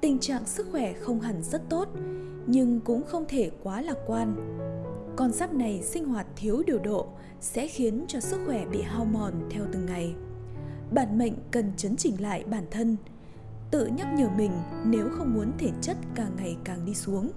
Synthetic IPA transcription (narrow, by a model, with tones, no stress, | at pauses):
t̪ï˨˩ŋ̟t͡ɕa̰ː˧˨ŋsɨ˦˥k̚xwɛ˧˩xə˧wŋ͡mɦa˨˩ŋzə˦˥t̚t̪o˦˥t̚ | ɲɨ˧ŋkʊ̰˧˥ŋ͡mxə˧wŋ͡mt̪ʰe˧˩kwaː˨˦laː˧˩kwaː˧n | kɔ˧nzaː˦˥p̚na˨˩jsï˧ŋ̟ɦwaː˨˩t̚t̪ʰi˨˦əwɗi˨˩əwɗo̰˧˨ | sɛ̰˧˥xi˨˦ənt͡ɕɔ˧sɨ˦˥k̚xwɛ˧˩ɓḭ˧˨ɦaː˧wmɔ˨˩nt̪ʰɛ˧wt̪ɨ˨˩ŋːa˨˩j | ɓaː˧˩nmə̰˧˨jŋ̟kə˨˩nt͡ɕə˨˦nt͡ɕï˧˩ŋ̟la̰ː˧˨jɓaː˧˩nt̪ʰə˧n | t̪ɨ̰˧˨ɲə˦˥p̚ɲəː˨˩mï˨˩ŋ̟ne˨˦wxə˧wŋ͡mmu˨˦ənt̪ʰe˧˩t͡ɕə˦˥t̚kaː˨˩ŋːa˨˩jkaː˨˩ŋɗi˧su˨˦əŋ